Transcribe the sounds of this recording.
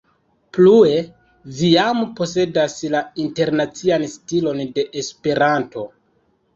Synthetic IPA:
plue̞ | vijampo̞se̞daslainte̞ɾnat͡sianstilo̞nde̞ʔespe̞ɾanto̞

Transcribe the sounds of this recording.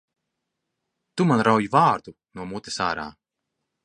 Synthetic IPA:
t̪umanɾawjivaːɾd̪u | nuɔmut̪esa̰ːɾa̰ː

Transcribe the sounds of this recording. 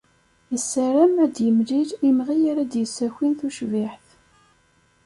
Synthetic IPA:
jəsːæɾæmæd̪jəmliɾimʁijaɾæd̪jəsːæçʷinθuʃviħθ

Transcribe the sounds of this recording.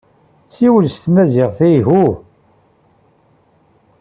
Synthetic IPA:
siwlst̪næzɪʁθijɦu

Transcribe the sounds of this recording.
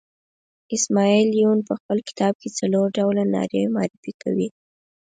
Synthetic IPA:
ɪsmɑilijunpəxpəlkɪ̥t̪ɑb̚ket͡saloɾɖawlanɑ̰ɾemɑ̰ɾɪfika̰wi

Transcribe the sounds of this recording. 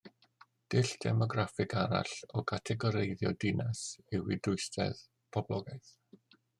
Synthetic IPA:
d̥ɪɬd̥ɛ̰mɔɡrafɪɡaɾa̰ɬɔkʰatʰɛɡɔɾejðjɔ̰dɪnasɪwɪdʊɨstʰɛ̰ð | pʰɔblˠɔɡajθ

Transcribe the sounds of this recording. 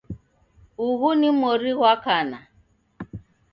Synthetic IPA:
uɣunimɔɾiɣwakana

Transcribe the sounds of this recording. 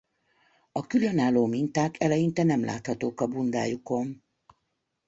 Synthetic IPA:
ɒkylønaːlːoːmint̪aːkʰɛlɛjint̪ɛnɛmlʔa̰ːt̪hɒt̪oːkɒbund̪a̰ːjuko̞n

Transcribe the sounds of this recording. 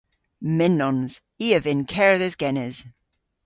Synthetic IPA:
mɪnːɔnz̥ | iəvɪnkʰɛɹðɪzɡɛnɛz̥

